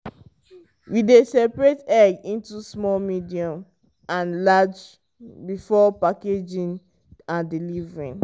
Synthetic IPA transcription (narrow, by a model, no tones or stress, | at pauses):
widesɛpɹetɛɡĩntusmɔlmidiɔ̃m | ãnlad͡ʒ | bifɔpaked͡ʒĩn | ãndilivɹĩn